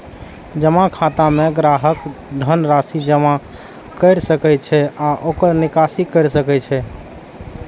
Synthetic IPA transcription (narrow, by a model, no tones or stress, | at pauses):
d͡ʒəmakʰat̪ameɡɾaɦəkd̪ʱənɾasid͡ʒəma | kəɪɾsəkɛt͡ʃʰɛaʔokəɾnikasikəɪɾsəkɛt͡ʃʰɛ